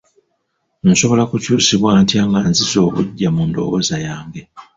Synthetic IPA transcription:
n̩so̞βo̞lakucuːsiβwaːntjaːŋɡanzizo̞ːβuɟːamundo̞̰βozajaːŋɡe̞

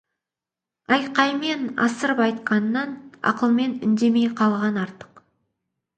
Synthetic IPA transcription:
ɑjqɑjme̞nɑ̰səɾpɑjt̪qʰɑnːɑnɑ̰qəlˠme̞nʏnd̪e̞me̞jqʰɑlˠʁɑnɑɾt̪ə̥q

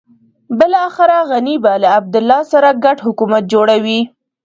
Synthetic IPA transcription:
bəlːxɪɾaɣanibalaːb̚d̪ʊlːɑsaɾaɡaʈhʊkumat̪̚d͡ʒoɽawi

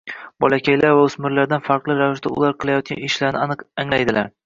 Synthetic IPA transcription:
bɒlˠakʲʰajlaɾvaʊsmɪɾlaɾd̪anfɑɾqlˠɪɾavɪʃd̪aʊ̰lˠaɾqʰɨlˠajɒt̪̚kʲa̰nɪʃlaɾnɪaŋlajd̪ɪlaɾ

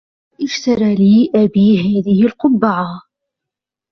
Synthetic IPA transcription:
ʔɪʃt̪ɑɾˤɑliːʔæbiːɦæːðɪhɪlqʊbːaʕa

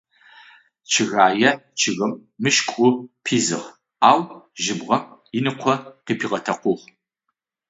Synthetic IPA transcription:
t͡ʃʰɨɣaːjɐt͡ʃʰɨɣɐmːɨʃkʷʼʊpʰiːzɨ̰ʁ | aːwʒɪbʁɐɪnɨqʷʰɔqiːpʰiːʁɐtʰɐqʷʊʁ

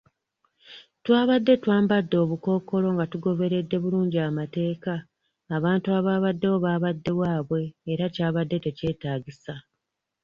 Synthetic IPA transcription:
twaːβadːe̞twaːmbadːo̞ːβuko̞ːko̞lo̞ŋɡatuɡo̞βe̞ɾe̞dːe̞βuluːɲɟiamate̞ːkaː | βaːntuaβaːβadːe̞wo̞βaːβadːe̞βwaːβwe̞ːɾacaːβadːe̞te̞ce̞ːtaːɟisa

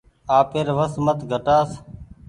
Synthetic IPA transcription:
aːpeːɾʋəsmət̪ɡʱəʈaːs

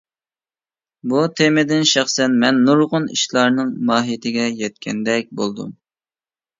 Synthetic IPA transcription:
but̪ʰemɪd̪ɪnʃɑχsɛnmɛnːuɾʁʊnḭʃlˠɑɾnɨŋmɑːɦijɪt̪ʰɪɡʲɛjɛt̪̚kʲʰɛnd̪ɛk̚ʲbolˠd̪ṵm

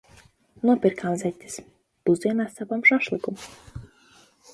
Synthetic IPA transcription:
nuɔpʲiɾkamzʲɛt̪ʲːi̥s | d̪̥uziɛnasapamʒaʃlˠɨkum

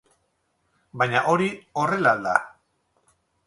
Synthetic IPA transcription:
bajɲaʔo̞ɾio̞re̞lald̪a̰

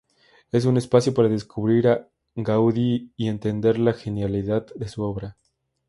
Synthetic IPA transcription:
e̞s̬une̞spasjo̞paɾaðe̞skuβɾiɾa | ɡawðiːe̞nt̪e̞nd̪e̞ɾlaxe̞njaliðaððe̞suo̞βɾa

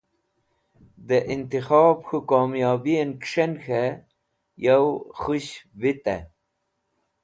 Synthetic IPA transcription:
d̪əʔint̪ixɑːbxukoːmjɑːbienkʂenxe | jawxuɕbit̪ḛ

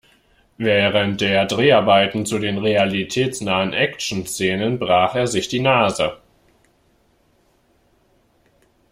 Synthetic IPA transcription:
vɛːʁəntd̥eːɐdʁeːaɐbaɪtn̩t͡sudeːnʁealitʰɛːt͡snaːənʔɛkt͡ʃn̩st͡seːnənbʁaːχeːɐzɪçd̥iːnaːzə

